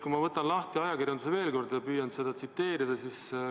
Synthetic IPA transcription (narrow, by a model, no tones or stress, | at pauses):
kumɑvɤt̪ːˑɑnlɑht̪iɑjɑkirjɑnd̪useve̞ːlko̞rd̪jɑpyːjɑnse̞d̪ɑt̪sit̪ːe̞ːɾid̪̥ɑsis